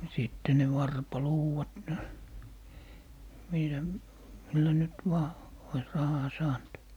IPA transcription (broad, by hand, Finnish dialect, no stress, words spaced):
siˑtːe ne ʋɑrpɑluːwɑt niːtæ milːæ nyt ʋɑː ois rɑhɑː sɑːnt